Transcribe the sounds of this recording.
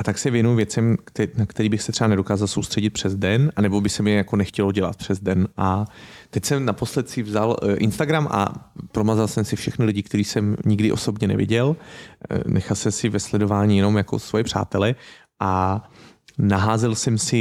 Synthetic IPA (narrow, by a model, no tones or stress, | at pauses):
ʔat̪aksɛvjɛnujʊvjɛt͡sɛmt̪ɛnakt̪ɛɾiːbɪxsɛt̪r̥ɛanɛdo̞kaːzalsowst̪r̥ɛɟɪt̪̚pr̥ɛzdɛnanɛbo̞bɪsɛmjɛjako̞nɛxcɛlo̞ɟɛla̰t̪̚pr̝̥ɛzdɛnʔat̪ɛcsɛmnapo̞slɛt̪sɪvzalʔɪ̰nst̪aɡɾamʔa̰pɾomazalsɛmsɪfʃɛxnɪlɪɟɪkt̪ɛɾiːsɛmɲɪɡdɪʔo̞̰so̞bɲɛnɛ̰vjɪ̰ɟɛl | nʔɛxalsɛmsɪvɛslɛdo̞vaːɲijɛno̞mjako̞̰svojɛpr̝̥a̰ːt̪ɛlɛ | ʔa | naɦaːzɛlsɛmsɪ